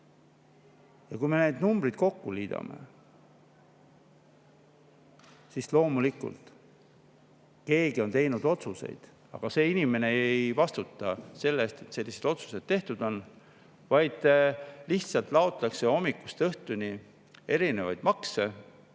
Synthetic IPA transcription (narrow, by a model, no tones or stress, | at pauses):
jɑkujme̞ned̪numb̥ɾid̪̥̚ko̞kːuliːd̪̥ɑ̰me̞̰ | sislo̞ːmulikːˑṵlt̪ | ke̞ːɡio̞nt̪e̞jnud̪o̞t̪suse̞̰jd̪̥ | ɑ̰ɡ̥ɑse̞ːinʲime̞ne̞ejvɑst̪ut̪ːˑɑse̞lːest̪e̞t̪se̞lːise̞d̪o̞t̪su̥se̞d̪̥̚t̪e̞ht̪ud̪̥o̞n | vɑjd̪̥liçt̪sɑlt̪ˑlɑot̪ˑlɑkse̞o̞mːikːˑust̪eɤht̪uni | e̞ɾine̞vɑjd̪̥mɑkse̞